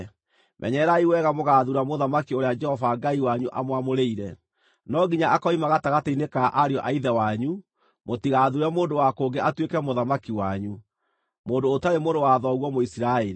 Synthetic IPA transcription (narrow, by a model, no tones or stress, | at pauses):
mʔɛ̰ɲɛɾaiwɛɣamoɣaðuɾamoðamakioɾead͡ʒɛhɔvaŋɡaiwaɲuʔa̰mwamoɾeiɾɛ | nɔɡiɲaakɔimaɣataɣateinekaʔaɾeɔʔaiðɛwaɲu | motiɣaðuɾamoːndowakoɡeʔatwekɛmoðamakiwaɲu | moːndoːtaɾemoːndowaðɔɣwɔmoisiɾaeɾi